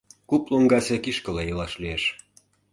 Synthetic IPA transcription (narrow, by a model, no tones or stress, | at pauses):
kuploŋɡɑsekiʃkɤ̆lejɤlɑʃlieʃ